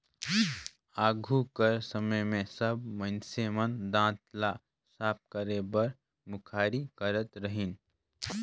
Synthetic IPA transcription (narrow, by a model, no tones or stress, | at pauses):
aːɡʱukəɾsəməjmẽsəbmənsemənd̪ãːt̪la | saːp̚kəɾebɐɾ | mʊkʰaːɾikəɾət̪ɾəɦɪn